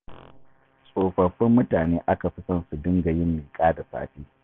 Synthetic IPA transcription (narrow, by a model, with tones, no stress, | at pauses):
sʼoː˨ɸɐ˨ɸːɪ˦mːʊ˦taː˨neː˦ʔa˦ka˨ɸi˦sɐ˦nsu˨dɪ˦ŋɡa˨jɪ˦mːiː˨kʼaː˦da˨sa̰ː˦˨ɸiː˦